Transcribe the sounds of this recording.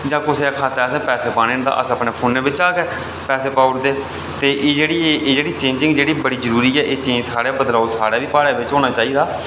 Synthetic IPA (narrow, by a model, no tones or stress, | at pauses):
d͡ʒãːkʊseːkʰaːt̪eːəsɛ̃ːpɛːseːpãːnẽːnd̪a̰ːʔə̰səpneːpʰoːnːeːʋɪt͡ʃaːkeː | pɛːseːpaːʊʈd̪eː | t̪eːʔeːd͡ʒeːɽiːeeːd͡ʒeːɽiːt͡ʃẽːɲd͡ʒɪ̃ŋɡd͡ʒeːɽiːbəɽiːzəɾuːɾiːɛːʔeːt͡ʃẽːd͡ʒsaːɽeːbəd̪laːosaːɽaːʋiːpaːɽaːʋɪt͡ʃɦoːnaːt͡ʃaːiːd̪aː